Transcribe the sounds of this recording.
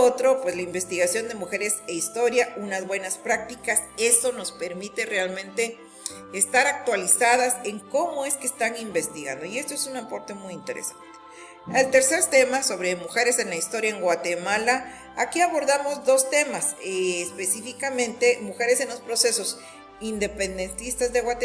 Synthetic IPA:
ot̪ɾo̞pwe̞slaimbe̞st̪iɣasjo̞nd̪e̞muxe̞ɾe̞seist̪o̞ɾjaunazβwe̞naspɾak̚t̪ikase̞so̞no̞spe̞ɾmit̪e̞realmẽ̞nt̪e̞ː | st̪aɾak̚t̪walisaðase̞ŋko̞moe̞skeːst̪aŋimbe̞st̪iɣa̰nd̪o̞ie̞st̪oesunapo̞ɾt̪e̞mujint̪e̞ɾḛsḁnt̪e̥ | elt̪e̞ɾse̞ɾt̪e̞maso̞βɾe̞muxe̞ɾe̞se̞nlaist̪o̞ɾjaeŋɡwat̪e̞mala | akiaβo̞ɾðamo̞zd̪o̞st̪e̞maseːspe̞sifikamẽ̞nt̪e̞muxe̞ɾe̞se̞nlo̞spɾo̞se̞so̞s | ind̪e̞pe̞nd̪e̞nt̪ist̪azðeɣwat̪e

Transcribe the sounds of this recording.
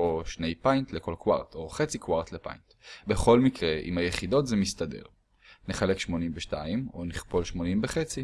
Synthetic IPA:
o̞ʃne̞jpajntleko̞lkwa̰ʁto̞χet͡sikwaʁtlepa̰jntbeχo̞lmikʁeʔḭmhajeχido̞tzemistade̞̰ʁ | neχalekʃmo̞nimveʃtaimo̞niχpo̞lʃmo̞nimbeχet͡si

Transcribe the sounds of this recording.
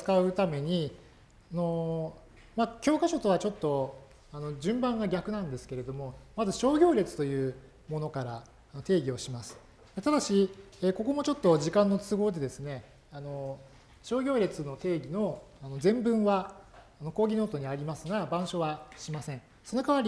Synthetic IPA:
t͡sɨ̥kaɯ̟t̪ame̞ɲ̟i | ano̞ | makʲo̞ːkaɕo̞t̪o̞β̞at͡ɕo̞t̪ːo̞ | ano̞d͡ʑɨ̃mbãŋɡaɡʲakɯ̟nãnd̪e̞sɨ̥ke̞ɾe̞d̪o̞mo̞mazɨɕo̞ːɡʲo̞ːɾʲe̞t͡sɨ̥t̪o̞jɯ̟ː | mo̞no̞kaɾaː | not̪e̞ːɡʲio̞ɕimasɨ̥ | d̪̥et̪ad̪aɕieːko̞ko̞mo̞t͡ɕo̞t̪ːo̞ʑikãnːo̞t͡sɨɡo̞ːd̪e̞d̪e̞sɨne̞ | ano̞ | ɕo̞ːɡʲo̞ːɾʲe̞t͡sɨno̞t̪e̞ːɡʲino̞ano̞zẽ̞mbɯ̟̃ɰ̃βaː | no̞koːɡʲino̞ːt̪o̞ɲ̟iaɾʲimasɨɡabãɰ̃ɕo̞βaɕimasẽ̞ɴ̃ | so̞no̞kaβaɾʲi

